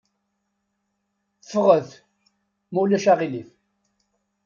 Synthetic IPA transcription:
θəfʁəð | mulæʃaʁilif

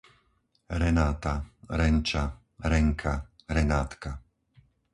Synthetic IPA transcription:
ɾɛnaːt̪aɾɛnt͡ʃa | ɾɛŋkʰa | ɾɛnaːt̪ka

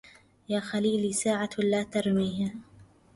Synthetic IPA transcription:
jaːxaliːliːsaːʕalaːt̪ɑɾˤmiːha

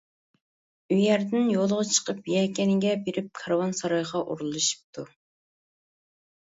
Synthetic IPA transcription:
yjɛɾd̪ɪnjolˠʁɑt͡ʃʰə̥qəpjɛkʲɛnɪɡʲɛbeɾɪp̚kʰɑɾwɑnsɑɾɑjʁɑʔṵɾul̩ˠːɨʃi̥p̚t̪ʰu

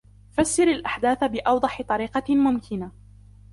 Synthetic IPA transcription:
fasːɪɾalʔaħd̪aːθabɪʔɑwd̪ˤɑħɪt̪ˤɑɾiːqɑmʊmkɪna

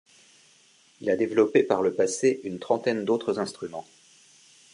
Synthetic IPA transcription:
ilad̪evlɔpepaʁləpaseynt̪χɑ̃t̪ɛnd̪ot̪χəzɛ̃st̪χymɑ̃

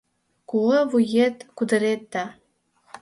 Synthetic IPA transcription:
kulɤvujet̪kud̪ə̆ɾet̪ːa

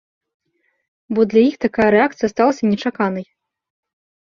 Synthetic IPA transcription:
bɔd̪lʲɐjixt̪akajɐɾɛak̚t̪sɨjɐst̪alˠɐsʲɐnʲɛt͡ʂakanɐj

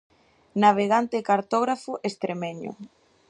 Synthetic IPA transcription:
naβ̞eɣant̪ekaɾt̪ɔɣɾafʊʔest̪ɾemeɲʊ̰

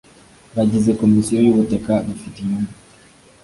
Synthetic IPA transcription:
βaɟizekomisijojuβutekadufitimumu

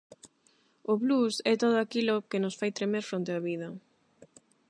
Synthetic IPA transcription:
ʊβlusɛt̪oð̞oakilʊkɪnʊsfajt̪ɾemeɾfɾont̪eaβiðɐ

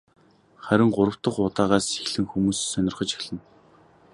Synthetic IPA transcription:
χæɾʲɪ̆ŋɢʊɾə̆w̥t̪ə̆χʊt̪aːʁaːsexɮɘ̆ŋxumuːssœnʲɪ̆rχə̆t͡ɕi̥xɮɘ̆n

